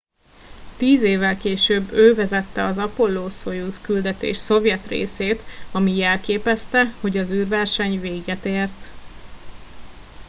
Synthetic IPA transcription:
t̪iːzeːvːɛlkeːʃøːbːøːvɛzɛt̪ːɛɒzɒpo̞lːoːso̞juskyld̪ɛt̪ḛːʃso̞vjɛt̪rḛːseːt̪ɒmiɛlkeːpɛst̪ɛho̞ɟɒzyːrvɛrʃɛɲveːɡɛt̪eːrt̪

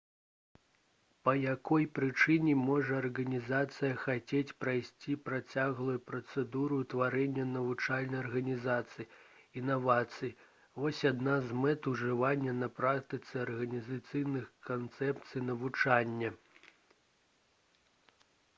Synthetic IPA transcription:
pɐjakɔjpɾɨt͡ʂɨnʲɛmɔʐɐːrɣɐnʲizat̪sɨjɐxat͡sʲet͡sʲpɾajsʲt͡sʲipɾat͡sʲaɣlˠujupɾɐt̪sɛd̪uɾut̪vaɾɛnʲːɐnɐvut͡ʂalʲnɐjɐrɣɐnʲizat̪sɨjiinavat̪sɨji | vɔsʲad̪nazmɛt̪uʐɨvanʲːɐnɐpɾakt̪ɨt̪sɨɐrɣɐnʲizat̪sɨjnɨxkant̪sɛpt̪sɨjnɐvut͡ʂanʲːɐ

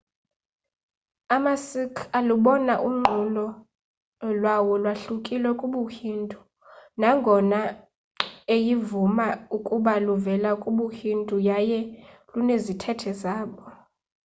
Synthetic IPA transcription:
amasikʰaluɓɔnaʔuŋ͡ǃʱulɔ | lwawɔlwaɬukʼilwɛkʼuɓuhintʼu̥ | naŋɡʱɔna | ejivumaukʼuɓaluvɛlakʼuɓuhindʼujajɛlunezitʰɛtʰɛzaːɓɔ

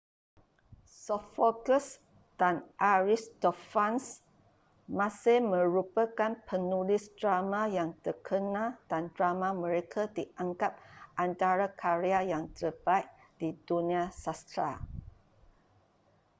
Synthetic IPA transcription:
sɔffɔɡəs | d̥anʔaɹist̪ofans | mãsɪhmə̃ɾupəkanpʰənulɪsdɾamãjaŋt̪ərkʰənãd̥andɾamãmə̃ɾekʰadiʔaŋkap̚ʔant̪aɾakʰaɾeajaŋt̪ərbait̪̚ | d̥idunĩasast̪ɾa̰

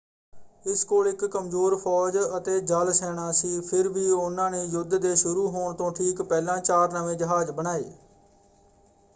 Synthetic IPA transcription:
ɪskoːlɪkːəmzoːɾpʰɔːd͡ʒət̪eːd͡ʒəlsɛːɽ̃ãːsiːpʰɪɾʋiːʊnãːneːjʊd̪d̪eːʃʊɾuːɦoːɳt̪õːʈʰiːkpɛːlãːt͡ʃaːɾnəʋẽːd͡ʒəɦaːd͡ʒbənaːḛː

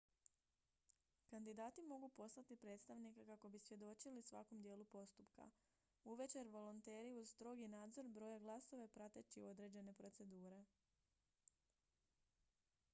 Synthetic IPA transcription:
kand̪id̪aːt̪imo̞ɡupo̞slat̪ipɾe̞t̪st̪aʋnikakako̞bisʋje̞d̪o̞t͡ʃilisʋa̰ko̞md̪je̞ːlupo̞st̪upka̰ | uʋe̞t͡ʃe̞ɾʋo̞lont̪e̞ːɾiuz̥st̪ɾo̞ɡinaːd̪zo̞ɾbɾo̞ːjaɡlˠaso̞ʋepɾat̪e̞t͡ɕio̞d̪ɾe̞ːd͡ʑe̞ne̞pɾo̞t̪se̞d̪uːɾe̞

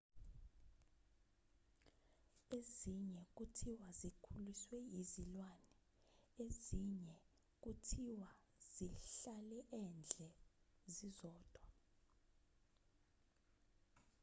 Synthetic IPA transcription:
eziɲɛk̬utʰiwazikʰuliswɛjizilwanɛ | eziɲɛ | k̬utʰiwa | z̥iɬalɛʔɛnd͡ɮʱɛzizɔːd̥ʱwa

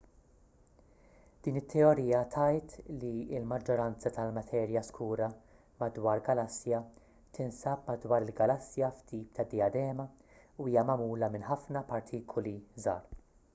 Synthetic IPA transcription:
d̪̥iːnɪt̪ːɛɔɾiːjɐt̪ʰɐjt̪liɪlmɐd͡ʒːɔɾɐnt͡sɐt̪ɐlmɐt̪ʰɛːɾjɐskʰuːɾɐ | mɐd̪wɐːɾɡɐlɐsːjɐ | t̪ɪnsɐpmɐd̪wɐːɾɪlɡɐlɐsːjɐft̪iːp̚t̪ɐd̪ijɐd̪ɛːmɐ | uiːjɐmɐmuːlɐmɪnħɐfnɐpɐɾt̪ʰiːkʰɔlizɐ̰ːɾ

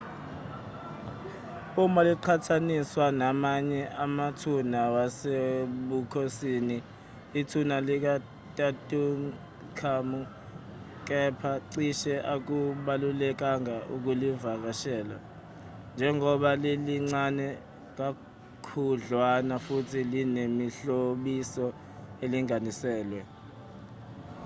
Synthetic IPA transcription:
umaliǃʰatʰaniswanamaɲɛʔamatʰunawaseɓukʰosiːniː | tʰunalik̬a | tʼatʼuŋ | kʰamu | k̬ʼɛpʰaǀiʃɛʔak̬uɓalulɛk̬aŋaʔuk̬ulivak̬aʃɛːla̰ | nd͡ʒʱɛŋɔɓaleliŋ͡ǀanɛ | k̬a | kʰuɮwanafutʰilinemiɬoɓisɔ | eliŋanisɛːlwɛ

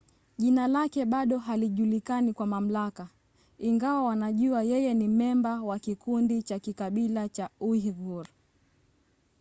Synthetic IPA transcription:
ʄinalakɛɓaɗɔɦaliʄulikanikwamam̩laka | iŋɡawawanaʄuajɛjɛnimɛmbawakikundit͡ʃakikaɓilat͡ʃauhvuɾ

